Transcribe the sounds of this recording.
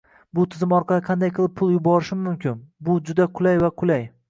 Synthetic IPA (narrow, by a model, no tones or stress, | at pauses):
bʊt̪ʰɪzɪmɒɾqʰɑlˠɪqʰɑnd̪ajqʰɨlˠɪp̚ʰʊlˠjʊbɒɾɪʃɪmːʊmkʲʰɪnbʊd͡ʒʊd̪aqʰʊlajvaqʰʊlaj